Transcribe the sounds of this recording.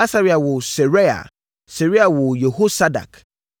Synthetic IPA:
a˦sa˦ɾi˨a˨wʊ˨sɛ˨ɾe˦a̰˨ | se˨ɾi˦a˨wʊ˨je˨ho˦sa˦da̰˨k

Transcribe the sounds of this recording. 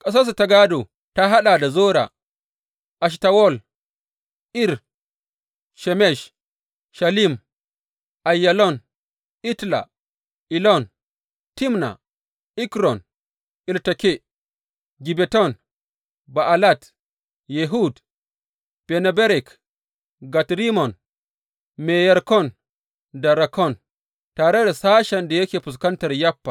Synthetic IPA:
kʼɐ˦s̬a˦s̬u˨ta˨ɡa˦do˨ | ta˦ɦa˦ɗa˨da˨zoː˦ɾa̰˨ | ʔa˨ʃ̬ta˨wɔ˦l | ʔi˦ɾ | ʃɛ˨mɛ˦˨ʃ | ʃa˨li˦m | ʔa˨jːa˨lɔ˦n | ʔi˦tla̰˨ | ʔi˨lɔ˦n | ti˦mna̰˨ | ʔi˦kɾɔ˨n | ʔi˨ltake˦ | ɡi˨bɛtɔ˦n | baʔalat | jeɦud | pɛnɛbɛ˦ɾɛ˨k | ɡatɾi˦mɔ˨n | mɛjɛɾkɔn | daɾakʰɔ˦n | taɾɛ˦ɾɛsa˦ʃanda˨je˦kʲe˨pu˨s̬ka˦ntaɾjapːa˨

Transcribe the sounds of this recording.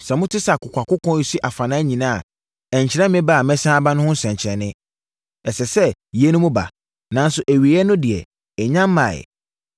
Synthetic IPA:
sɛ˨mʊ̃˦tʰɪ˦sa˨kʰʊ˨kʷʰa˨kʊ˦kʰɔ̃˦i˦si˦ʔa˨fa˨nãː˦ɲĩ˨nã˦a̰˨ | ɛ̃˨ɲ˨t͡ɕʰɪ˨ɾɛ̃˦mɪ̃˦ba˦˨mɛ̃˦sãː˦bã˦nʊ̃˦hʊ̃˦n̩˦sɛ̃˨ɲ˨t͡ɕʰɪ˨ɾɛ˨nɪ̃˦ | ɛ˨sɛ˨sɛ˦je˦nʊ̃˦mʊ̃˦ba̰˨ | nã˨˦n˦sʊ˨ʔæ˨ɥi˨˦ɛ˦nʊ̃˦dɪ˨ɛ̰˨ | ɛ˨ɲã˦mː˦ã̰˨

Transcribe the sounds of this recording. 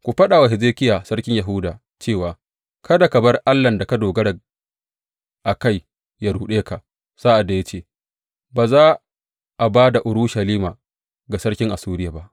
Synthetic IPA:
kʷu˨ɸɐ˦ɗa˨wa˨hɪ˨zeː˦kʲɪ˦jaː˨sɐ˦rkʲɪ˦ɲja˨ɦʊ˦daː˨ | t͡ʃeː˦˨waː˨ | kʰɐ˦da˨kɐ˨bɐ˦rʔa˦lːɐ˨nda˨ka˦doː˨ɡɐ˦ɽa˨ | ʔa˨ka˦˨j | ja˦ɽuː˨ɗeː˦ka˨ | saː˦ʔa˨dːa˨ja˦t͡ʃeː˦ | baː˨zaː˦ | ʔa˨baː˦da˨ʔʊ˨ɾʊ˦ʃa˨liː˦maː˨ | ɡa˨sɐ˦rkʲɪ˦ŋʔa˨suː˦ɾɪ˦ja˨ba˦ʔ

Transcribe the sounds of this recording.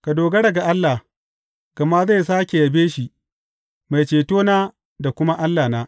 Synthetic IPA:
ka˨doː˨ɡɐ˦ɽɐ˨ɡa˨ʔa˦lːa˨ | ka˨ma˦za˦˨js̬aː˦kʲe˨ja˨beː˦ʃi˨ | ma˨jt͡ʃeː˨toː˦naː˦ | da˨kʷʊ˦ma˦ʔa˦lːaː˨naː˦

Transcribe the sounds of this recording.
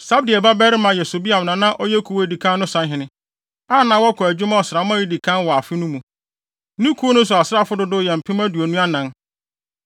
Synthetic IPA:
sa˦b̚dɪ˨ɛ˨ba˦bɛ˦ɾɪ˦mã˨jɛ˨so˨bi˦a˨m˨nã˨nã˦ʔɔ˦jɛ˦kʰu˨wo˦di˨kʰã˦nː˦ʊ̃˦sã˦nɦɪ̃˨nɪ̃˦ | a˦˨nã˨wɔ˦kʰɔ˨æ˨d͡ʑᶣʊ˦mã˦ɔ˨sɪ˨a˨˦mã˦ji˦di˨kʰã˦nwɔ˨a˨fɪ˦nʊ̃˦mũ˨ | nĩ˦kʰu˦o˦nʊ̃˦s̬ʊ˨a˨sɪ˦a˦fʊ˦dʊ˨dʊ˦˨jɛ˨m̩˨pʰɪ̃˦mã˦du˨o˨nũ˦a˦nã˨n

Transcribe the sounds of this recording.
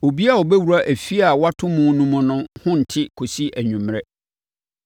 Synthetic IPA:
o˨bi˦a˨ɔ˨bɛ˦wu˨ɾa˦ʔæ˨fi˦a˨wa˦tʰʊ̃˦mũ˦nũ˦mʊ̃˨nʊ̃˦hʊ̃˦n̩˨tʰɪ˦kʰo˨si˦ʔæ˨ɲᶣũ˨mɾɛ˦

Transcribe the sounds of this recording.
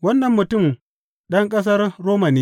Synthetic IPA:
wɐ˦nːɐ˨mːʊ˨tʊ˦˨m | ɗɐ˦ŋkʼɐ˦s̬ɐ˦rːoː˦ma˨niː˦

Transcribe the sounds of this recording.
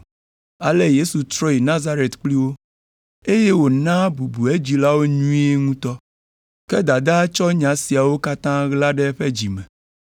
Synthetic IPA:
a˨le˦je˦su˨t̪ɾɔ˦ji˨nã˦za˦ɾe˨t̪k͡pli˦wo˦ | e˦je˦wo˨nã˦bu˨bu˨e˦d͡ʑi˨la˦wo˦ɲũ˦i˦e˦ŋũ˦t̪ɔ˦ | ke˦d̪a˨d̪a˦t͡ʃɔ˦ɲã˨si˨a˨wo˦ka˦t̪ã˦ɣla˦ɖɛ˦ɸe˦d͡ʑi˨mɛ̃˨

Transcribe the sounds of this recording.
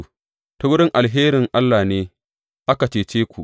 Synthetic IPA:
ta˦wʊ˦ɽɪ˦ŋʔa˨lɦeː˦ɾɪ˨ŋʔa˦lːa˨neː˦ | ʔa˦ka˨t͡ʃeː˨t͡ʃeː˦kʷu˨ʔ

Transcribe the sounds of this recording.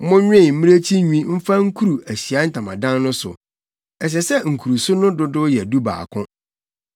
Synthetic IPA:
mʊ̃˦ɲᶣ˦ɪ̃˦˨m̩˦mĩ˦ɾe˦t͡ɕʰi˦ɲᶣĩ˦m̩˦fã˦ŋ̩˦kʰu˦ɾu˨ʔæ˨ɕi˨a˦n̩˦tʰã˨mã̰˨dã˦nnʊ̃˦sʊ̰˨ | ɛ˨ɕ̬ɛ˨sɛ˦ŋ̩˨kʰu˨ɾu˨sʊ˦nʊ̃˦dʊ˦dʊ˦jɛ˨du˦ba̰ː˨kʰʊ̃˦

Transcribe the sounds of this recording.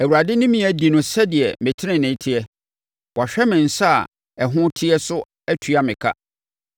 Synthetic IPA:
æ˨wu˨ɾa˨dɪ˦nɪ̃˦mĩ˨˦æ˨di˨nʊ̃˨sɛ˦dɪ˨ɛ˨mɪ̃˨tʰɪ˦nɪ̃˨nɪ̃˨˦tʰɪ˦ɛ˦ | wʔɔ˨ɕᶣɛ˦mɪ̃˨n̩˨sa˦a̰˨ | ɛ˨ɦʊ̃˦tʰɪ˦ɛ˦sʊ˦ | æ˦tʰu˨a˨mɪ̃˨kʰa̰˦

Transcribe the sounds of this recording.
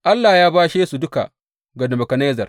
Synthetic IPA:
ʔa˦lːaː˨jaː˦baː˦ʃeː˦su˨dʊ˦ka̰˨ | ɡɐ˨dɐ˨mɐ˨kɐ˨na˦jzɐ˨r

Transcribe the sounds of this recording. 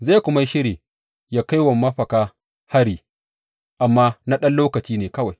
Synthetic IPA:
zaː˦˨kʷʊ˦ma˦jʃɪ˦ɽeː˨ | jaː˦ka˦jwɐ˨mːɐ˦ɸɐ˨kaː˦ | ha˦ɽiː˦ | ʔa˨mːaː˦na˦ɗɐ˦nloː˦kɐ˨t͡ʃiː˦neː˨kɐ˦wa˨j

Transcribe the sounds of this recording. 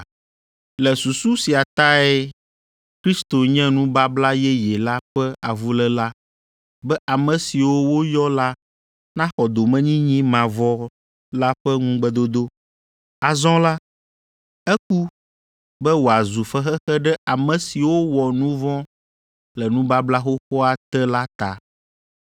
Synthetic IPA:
lɛ˨su˨su˦si˨a˨t̪a˦ɛ˦ | kɾi˦st̪o˨ɲɛ̃˦nũ˦ba˦bla˦jɛ˦jɛ˨la˦ɸɛ˦a˨vu˦lɛ˦la˦ | bɛ˦ʔa˨mɛ̃˨si˨wo˦wo˦jɔ˦la˦ | nã˦xɔ˨d̪o˨mɛ̃˦ɲĩ˦ɲĩ˦mã˨vɔ˦ | la˦ɸɛ˦ŋũ˦ɡ͡bɛ˦d̪o˦d̪o˦ | a˨zɔ̃˦la˦ | ɛ˦k̚u˦ | bɛ˦wo˨a˨zu˨fɛ˦xɛ˦xɛ˦ɖɛ˦a˨mɛ̃˨si˨wo˦wɔ˨nũ˦vɔ̃˦ | lɛ˨nũ˦ba˦bla˦xo˦xɔ˦a˨t̪ɛ˦la˦t̪a̰˨

